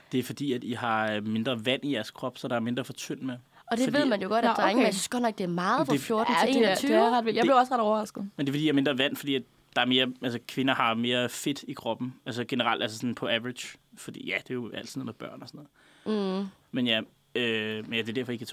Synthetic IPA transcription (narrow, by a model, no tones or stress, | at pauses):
d̥e̝æɐfɒ̽d̥ḭːæd̥iɦɑ̈me̝nd̥ʁɐʋæn̰ijæɐskʰʁɒ̽b̥sɒ̽d̥ɑ̈æɐme̝nd̥ʁɐfɒ̽t͡sʰøn̰̥me | ɒ̽d̥edʋeið̞̰ˠmænjoɡ̥ɒ̽ɾ̥æd̥ʁŋjsysɡ̥ɒnɒɡ̥̚d̥e̝æɐmɑ̈ːð̩ˠpʰdefjoɐdn̩ḛyʁɑd̥ʋel̰jɑbleʊɒsʁɑɾ̥ɒʊɐʁɑsɡ̥ð̩ˠmende̝fḭːiæɐmend̥ʁɐʋæn̰fɒd̥ḭːæd̥ | d̥ɑ̈æɐme̝ːɐælsəkʰʋe̝nɐhɑ̈me̝ːɐfe̝d̥ikʰʁɒ̽b̥n̩ælsəɡ̥e̝nəʁɑ̈l̰d̥ælsəsɒ̽n̩pʰɒ̽æʋʁid̥jfɒd̥ḭːjæd̥e̝jo̝ʔæ̰l̰d̥s̩nð̩̰ˠmeb̥ɶɐ̰nɒsɔnɔ̽ð̩ˠ | menjæ | ømenjæd̥e̝dæɐfɒ̽e̝ɡ̥kʰːæt͡sʰ